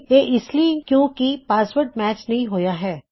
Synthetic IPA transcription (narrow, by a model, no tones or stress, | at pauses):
jeːʔɪsliikjõːkipaːswəɾʈ̚mɛːt͡ʃnɐɦĩɦoːjaɦɛː